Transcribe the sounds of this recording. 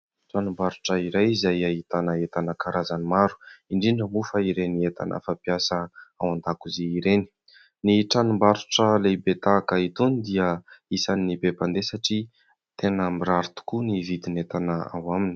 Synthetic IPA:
ʈ͡ʂanumbaɾuʈ͡ʂəiɾajizajaɦit̪anəet̪anəkaɾʔazanimaɾu̥iɳɖ͡ʐiɳɖ͡ʐəmufaiɾeniet̪a̰nə̰fapiasəawand̪akuzeiɾeni̥ | niʈ͡ʂanumbaɾuʈ͡ʂəlebet̪akait̪unid̪iəisanːibepand̪esaʈ͡ʂi | t̪enəmiɾaɾut̪u̥kunivid̪inet̪anəa̰wamini̥

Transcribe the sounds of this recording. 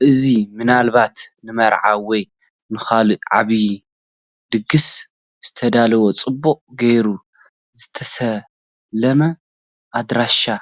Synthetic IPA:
ʔɨzimɨnalbat̪nɨmɐɾʕa̰wɔj | nɨxalɨʕa̰βi | d̪ɨɡɨs | z̥ɨ̥t̪ʰɐd̪alɐwo̞t͡sʼɨbːuʔʼɡejɾu | z̥ɨt̪ʰɐsɐ | lɐmɐ | ʔad̪ɾaʃa

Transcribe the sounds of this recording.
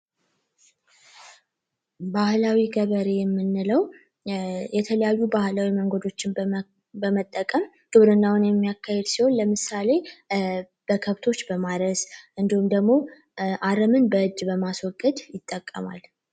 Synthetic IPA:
bahlawiɡəβəɾejɛmːɨnːɨləw | jɛt̪ʰələjajːubahlawiməŋɡod̪o̞t͡ʃːɪn | bəmət̪ʼːəkʼəm | ɡ̪̥ɨβɾɨnːawʊnjɛmːijakʰːahed̪siho̞nləmɨsale̞ | b̥əkʰəβt̪ʰo̞t͡ʃːbəmaɾəsʔɨnd̪ihumd̪əɡmo̞ | ʔaɾəmɨnbəʔɨd͡ʒːbəmaswɔɡʼəd̪jɪt̪ʼːəkʼːə̰ma̰l

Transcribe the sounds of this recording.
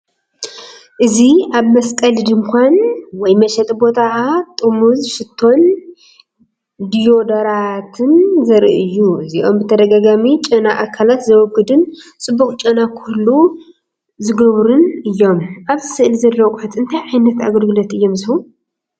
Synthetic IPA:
ʔɨziaβmɐskʼɐld̪ɨmkʰʷanwɔjmɐʃɛt̪ʼbo̞t̪ʰat̪ʼɨmuzʃɪt̪ʰːo̞n | d̪ijo̞d̪ɐɾat̪ʰɨnzɐɾʔɨjːuɨziʔo̞mbɨt̪ʰɐd̪ɐɡaɡamit͡ʃʼɐnaʔakʰːalat̪zɐwɔɡɨd̪ɨnt͡sʼɨbːuxt͡ʃʼɐnakʰulːu | zɨɡɐβɾunɨjːo̞mʔaβzɨsɨʔlizɐlːɐkʷʼħat̪ɨnt̪ʰajʕajnɐt̪a̰ɡɐlɡɨlot̪ɨjːo̞mzɨhul

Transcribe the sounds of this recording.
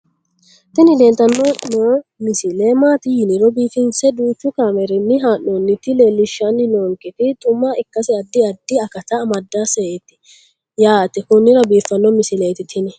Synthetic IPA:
t̪ɪnɪd̪ɛnt̪ːɐnːɔnoːmɪsɪlemaːt̪ɪjɪnɪɾɔbiːfɪnsɛd̪uːt͡ʃːʊkaːmɛɾɪnːɪɦaːnonːɪt̪ɪleːlːɪʃːɐnːɪnoːŋkːɛt̪ɪt̪ʼʊmːaɪkːɐsɪɐd̪ːɪɐd̪ːɪɐkɐt̪ɐːmɐd̪ːaseʔet̪ːɪ̥ | jaːɐt̪ːɪkʊnːɪɾɐbiːfːɐnːɔmɪsɪleːt̪ɪt̪ʰɪnɪ

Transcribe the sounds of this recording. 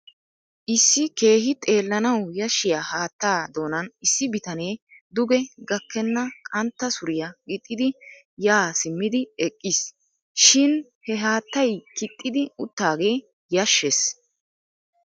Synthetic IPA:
ʔɪsːɪke̞ːɦɪt̪ʼe̞ːlːɐnɐwjɐʃːɪjaːhaːt̪ːaːd̪o̞ːnɐnɪsːɪbɪt̪ɐne̞ːd̪ʊɡɛɡɐkːɛnːɐkʼɐnt̪ːɐsʊɾɪjɐɡɪt̪ʼːɪd̪ɪ | jaːsɪmːɪd̪ɪɛkʼːɪs | ʃɪnhɛɦaːt̪ːɐjkɪt̪ʼːɪd̪ɪʊt̪ːaːɡe̞ː | jɐʃːes

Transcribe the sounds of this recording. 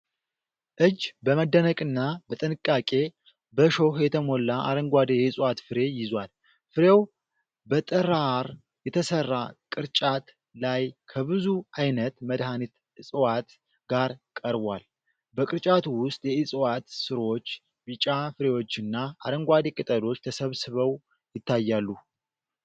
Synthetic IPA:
ʔɨd͡ʒbəməd̪ːənəkʼɨnːabət̪ʼɨnɨkʼːakʼe̞ | bəʃohjɛt̪ʰəmolːaʔa̰ɾəŋɡʷad̪ejɛɨsʼwat̪fɨɾe̞jɪzwal | fɨɾe̞w | bət̪ʼɨɾaɾ | jɛt̪ʰəsərːakʼɨɾt͡ʃʼat̪ | lajkʰəβɨzuajnət̪məd̪hanit̪ | ɨsʼwat̪ | ɡaɾkʼəɾbʷal | bəkʼɨɾt͡ʃʼat̪ʰuwʊst̪ʼjɛɨsʼwat̪sɨɾo̞t͡ʃː | bɨt͡ʃʼafɨɾe̞wo̞t͡ʃːɨnːaa̰ɾəŋɡʷad̪ekʼɨt̪ʼəd̪o̞t͡ʃːt̪ʰəsəβsɨβəw | jɪt̪ːajːalːu

